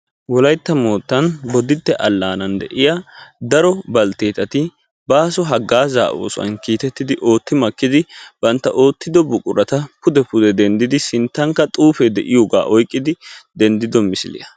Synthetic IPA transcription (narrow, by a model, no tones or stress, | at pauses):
wɔlɐjt̪ːɐmo̞ːt̪ːɐnbɔd̪ɪt̪ːɛʔɐlːaːnɐnd̪ɛ̰ʔɪjad̪ɐɾɔbɐlt̪eːt̪ːɐt̪ɪ | baːsɔɦɐɡːaːza̰ːʔo̰ːsʊɐ̰nkiːt̪ɛt̪ːɪd̪ɪʔo̞ːt̪ːɪmɐkːɪd̪ɪb̥ɐnt̪ːɐʔo̞ːt̪ːɪd̪ɔbʊkʼʊɾɐt̪ɐpʊd̪ɛpʊd̪ɛd̪ɛnd̪ɪd̪ɪsɪnt̪ːɐŋkːɐt̪ʼuːfɛd̪ɛ̰ʔɪjoːɡa̰ːʔɔjkʼːɪd̪ɪd̪ɛnd̪ɪd̪ɔmɪsɪlɪ̰jɐ